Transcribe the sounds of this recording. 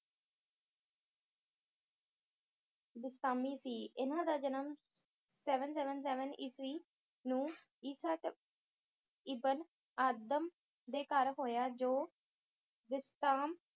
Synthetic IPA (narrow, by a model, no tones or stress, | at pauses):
bɪst̪aːmiːsiːʔɪnãːd̪aːd͡ʒənəm | sɛːʋənsɛːʋəns̬ɛːʋəniːsɾiː | nũːiːsəʈ | iːbən | aːd̪əm | d̪eːkəɾɦoːjaːd͡ʒoː | bɪst̪aːm